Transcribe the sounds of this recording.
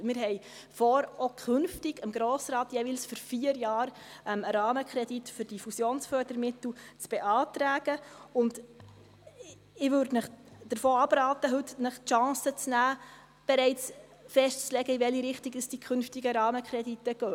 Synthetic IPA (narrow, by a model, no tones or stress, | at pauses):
mɪɾɦɛɪ | fɔɾokʰχʏnftɪɡəmɡɾoːsɾɑːtjɛːviːlsføɾfiːəɾjɑːɾɛməɾɑːməkχɾɛditfʏɾd̥ifusjoːnsfœːɾdəɾmɪtl̩t͡sb̥eʔɑːtɾæːɡ̥əʊnd | ɪʋʉːɾdnəχd̥əɾfoːɑb̥ɾɑːt̪əɦɵtnəχtʃɑ̃ːsət͡snæː | b̥ɛɾɛɪt͡s | fɛʃtt͡slɛɡəɪʋɛliɾɪχtɪɡəsd̥ikʰχɵnftiɡəɾɑːməkʰɾɛditːəɡ̥œː